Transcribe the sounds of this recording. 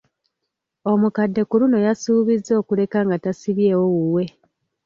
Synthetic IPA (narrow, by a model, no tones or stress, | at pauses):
o̞mukadːe̞kuɾuno̞jasuːβizːo̞ːkule̞kaŋɡatasiβje̞ːwo̞wuwe̞